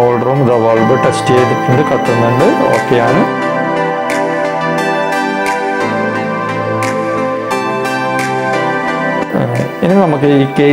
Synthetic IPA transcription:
oːlɖɐruːmd̪ɐʋɐlbɨʈːesʈejɖukːuɳɖɨkɐt̪ːunːuɳɖɨo̞̰ːkːejaːɳɨ | inɨnɐmukːɨiːkeː

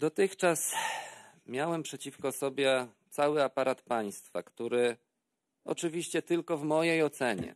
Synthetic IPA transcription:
d̪ɔt̪ɘxt͡ʂas | mʲjawɛmpʂɛt͡ɕifkɔsɔbʲjɛt̪sawɘapaɾat̪paj̃st̪fa̰kt̪uɾɘ | ɔ̰t͡ʂɘvʲiɕt͡ɕɛt̪ɘlkɔvmɔjejɔt̪sɛɲɛ̰

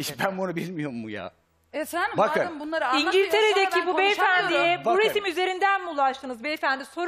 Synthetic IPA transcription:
iʃbænbonabilʲmijo̞ɾmːuja̰ː | ɛfænd̪bakabunlˠaɾiɲɟilʲt̪ʰe̞ɾed̪ec̪ʰibubejfænd̪ijɛbuɾesimyze̞ɾind̪ænmulˠaʃt̪ʰɯnɯzbejfænd̪iso̞ɾ

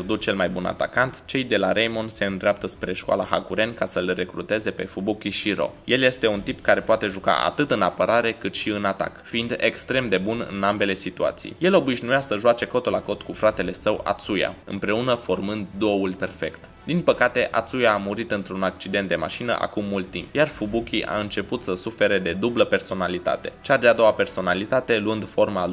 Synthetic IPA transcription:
rd̪ut͡ʃelmajbuna̰t̪akant̪t͡ʃe̞jd̪e̞laɾejmo̞nse̞ɨnd̪ɾeap̚t̪əspɾe̞ʃkoa̰laɦakuɾe̞nkasəlre̞kɾut̪e̞ze̞pe̞fubukʲiʃiɾo̞̰je̞lje̞st̪e̞unt̪ipkaɾe̞poat̪e̞ʒuka̰ʔa̰t̪ɨt̪ɨnapəɾaɾe̞kɨt̪ʃiɨnat̪a̰kfiind̪e̞kst̪ɾe̞md̪e̞bunɨ̰nambe̞le̞sit̪ua̰t̪sḭjje̞lo̞biʒnujasəʒuat͡ʃe̞ko̞t̪ulako̞t̪kufɾat̪e̞le̞səwa̰t̪suja̰ɨ̰mpɾe̞unəfo̞rmɨnd̪ːo̞ulʲpe̞rfe̞kt̪ | d̪inpəkat̪e̞ʔa̰t̪sujaːmuɾit̪ɨnt̪ɾunak̚t͡ʃid̪e̞nt̪̚d̪e̞ma̰ʃinə̰ʔa̰kumːult̪ːimpjarfubukʲiʔa̰ɨnt͡ʃe̞put̪səsufe̞ɾe̞d̪e̞d̪ubləpe̞rso̞nalit̪a̰t̪e̞t͡ʃad̪ead̪o̞wape̞rso̞nalit̪at̪e̞luɨnd̪fo̞rmalu

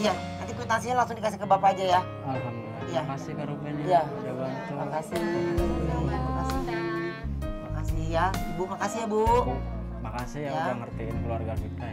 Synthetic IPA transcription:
ija | nant̪ikut̪ansiɲalaŋsʊŋdikas̬ihkəbapaːd͡ʒaja | alɦamd̪uilːijasɪkaɾuaija | dabat̪makasi | makasi | makasijabuʔmakasiɲabuʔ | makasijaaaŋərt̪inkəluarɡafik̪a

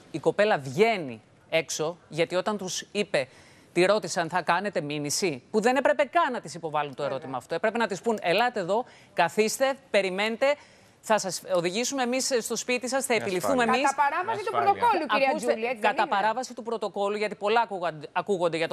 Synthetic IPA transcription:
iko̞pe̞lɐvʝe̞nḭ | e̞kso̞ʝɐt̪io̞t̪ɐnt̪usipe̞ | t̪iɾo̞t̪isɐnθɐkɐne̞t̪e̞minisipuðe̞ne̞pɾe̞pe̞kɐnɐt̪isipo̞vɐlunt̪o̞e̞ɾo̞t̪imɐːft̪oepɾe̞penɐt̪ispune̞lɐt̪eðo̞ | kɐθist̪e̞pe̞ɾime̞net̪e̞ | θɐsɐsoðiʝisume̞ːmisst̪ospit̪isɐsθɐepilifθumemɐisɐpɐɾɐvɐsit̪upɾot̪okoluɐɾiɐuselkɐt̪ɐpɐɾɐvɐsit̪upɾo̞t̪oko̞luʝɐt̪ipo̞lɐkuɐkuɣo̞nd̪eʝɐt̪o

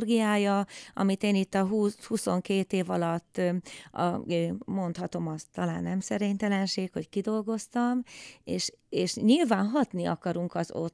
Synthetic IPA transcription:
rɡijaːjɒɒ̰mit̪eːnit̪ːɒɦuːhuso̞ŋkeːt̪eːvɒlɒt̪ːɒ̰øːmo̞nt̪hɒt̪o̞mɒst̪ɒla̰ːnːɛmsɛɾeːɲt̪ɛlɛnʃeːkho̞ckid̪o̞lɡo̞st̪ɒmeːʃeːʃɲilvaːnɦɒt̪niɒ̰kɒɾuŋkɒzo̰t̪

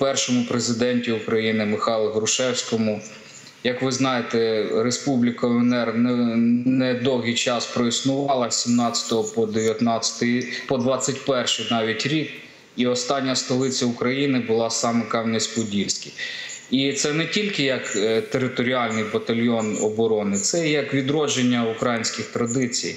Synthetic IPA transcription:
pɛrʃɔmʊpɾezɪd̪ɛnʲtʲiukɾɐjinɪmɪxɑlˠɦɾʊʃɛwsʲkɔmʊ | jɐkʋɪznɑjet̪ɛɾespublʲɪkɐɔɛnɛrnɛnɛd̪ɔwɦijt͡ʃɑspɾɔisnʊʋɑlˠɐsʲimnɑt͡sʲɐ̥t̪ɔɦɔpɔd̪eʋʲjɐt̪nɑt͡sʲɐ̥t̪ɪpɔd̪ʋɑt͡sʲɐtʲpɛrʃɪjnɑʋʲitʲɾʲik̚ | iɔst̪ɑnʲːɐst̪ɔlˠɪt͡sʲɐʊkɾɐjinɪbʊlˠɑsɑmɛkɑwnɪsʲpʊdʲilʲsʲkʲɪjit̪sɛnɛtʲilʲkɪjɐkt̪eɾɪt̪ɔɾʲɪɑlʲnɪjbɐt̪ɐlʲjɔnɔ̰bɔɾɔnɪt̪sɛjɐkʋʲid̪ɾɔd͡ʒenʲːɐʊkɾajinʲsʲkʲɪxt̪ɾɐd̪ɪt͡sʲḭj

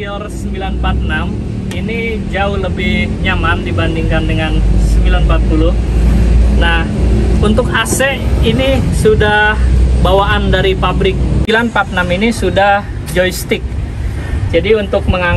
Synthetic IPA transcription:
ɔrsəmbilanpat̪̚nam | ini | d͡ʒaʊhləbɪɲamamdibandiŋkandəŋansəmbilanpat̪̚pulʊh | nahunt̪ʊkasɛinisudahbawaʔandaɾipabɾɪk̚ilanpat̪̚naminisudah | d͡ʒɔist̪ɪk̚ | d͡ʒadiunt̪ʊk̚məŋa

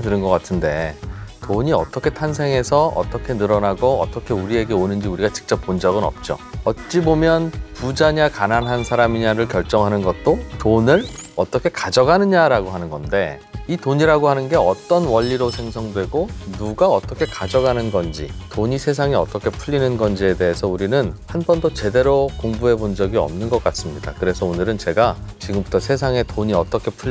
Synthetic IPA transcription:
tɯɾɯnɡʌk͈atʰɯnde̞toɲiʌ̰t͈ʌkʰe̞tʰans̬ʰeŋɦe̞sʰʌʌ̰t͈ʌkʰe̞nɯɾʌnaɡoʌ̰t͈ʌkʰe̞uɾie̞ɡe̞onɯnd͡ʑiuɾiɡat͡ɕi̥k̚t͡ɕ͈ʌp̚ːond͡ʑʌɡɯnʌ̰p̚t͡ɕ͈o̰ʌt̚t͡ɕ͈ibomjʌnpud͡ʑaɲakananɦansʰaɾamiɲaɾɯɭkjʌɭt͡ɕ͈ʌŋɦanɯnɡʌt̚t͈otonɯɭʌt͈ʌkʰe̞kad͡ʑʌɡanɯɲɲaɾaɡoɦanɯnɡʌnde̞ | itoɲiɾaɡoɦanɯnɡe̞ʌt͈ʌnwʌʎːiɾosʰe̞ŋsʰʌŋdwe̞ɡonuɡaʌt͈ʌkʰe̞kad͡ʑʌɡanɯnɡʌnd͡ʑḭtoɲisʰe̞s̬ʰaŋiʌt͈ʌkʰe̞pʰuʎːinɯnɡʌnd͡ʑie̞de̞ɦesʰʌuɾinɯnhanbʌndot͡ɕe̞de̞ɾokoŋbuɦe̞bond͡ʑʌɡiʌ̰mnɯnɡʌk͈as͈ɯmɲida̰kɯɾe̞sʰʌonɯɾɯnt͡ɕe̞ɡat͡ɕiɡɯmbutʰʌsʰe̞s̬ʰaŋe̞toɲiʌ̰t͈ʌkʰe̞pʰuʎː

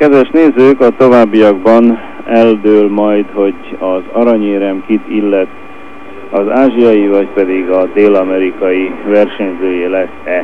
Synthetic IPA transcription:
kɛd̪ʋɛʃneːzøːkɒt̪o̞vaːbːijɒɡbɒn | ɛld̪øːlmɒjd̪ho̞ɟɒzɒɾɒɲeːɾɛmkit̪ilːɛt̪ | ɒzaːʒijɒjivɒcpɛd̪iɡɒd̪eːlɒmɛɾikɒjivɛrʃɛɲzøːjeːlɛsɛ

